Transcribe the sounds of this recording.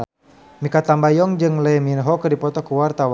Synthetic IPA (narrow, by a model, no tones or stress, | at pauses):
mikat̪ambajɔŋd͡ʒɨŋlɛminɦɔkərdipɔt̪ɔkuwart̪awa